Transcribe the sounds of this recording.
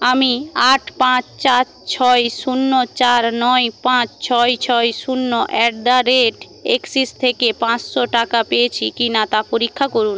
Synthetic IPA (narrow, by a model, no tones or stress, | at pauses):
amiaʈʰpãt͡ɕt͡ɕat͡ɕt͡ɕʰɔjʃunːot͡ɕaɾnɔjpãt͡ɕt͡ɕʰɔjt͡ɕʰɔjʃunːoʔɛɖd̪aɾeʈ | eksist̪ʰekepãt͡ɕʃoʈakapejet͡ɕʰikinat̪apoɾikʰːakoɾun